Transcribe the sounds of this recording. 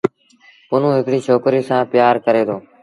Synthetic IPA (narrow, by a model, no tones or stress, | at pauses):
pʊn̤ũːɦɪkɽiːt͡ʃʰoːkɾiːsãːpɪjaːɾkəɾeːd̪oː